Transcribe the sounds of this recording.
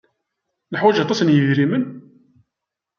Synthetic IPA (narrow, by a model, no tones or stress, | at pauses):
nəħwæʒɑt̪ˤːɑsənjəðɾimən